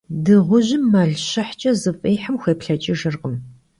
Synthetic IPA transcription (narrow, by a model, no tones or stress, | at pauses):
dɨʁʷʊʑɪmːɐɮɕɐħt͡ʃʼɐzɨfʼeːjħamxʷeːpɬɐt͡ʃʼɪʒɨrqəm